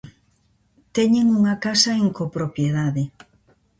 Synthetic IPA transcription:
t̪ɛɲeŋuŋakasɐeŋkopɾopjeð̞aðe

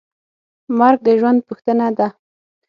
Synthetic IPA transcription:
mɑɾk̚d̪əʒwand̪̚puxt̪ənad̪a

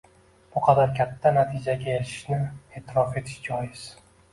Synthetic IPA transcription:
b̥ʊqʰɑd̪aɾkʲʰat̪ʰːanat̪ʰɪd͡ʒaɡʲaelɪ̥ʃnɪe̞ːt̪ʰɪɾɒfe̞t̪ʰɪ̥ʃd͡ʒɒjɪz̥

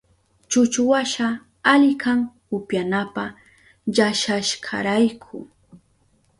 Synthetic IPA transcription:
t͡ʃʊt͡ʃʊwaʃa | aʎɪkʰaŋhʊpjanapa | ʎaʃaʃkʰa̰ɾajkʰʊ

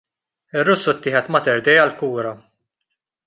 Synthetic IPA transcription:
ɪrːʊsːut̪ːɪːħɛt̪mɐt̪ɛɾd̪ɛjɐlkuːɾɐ

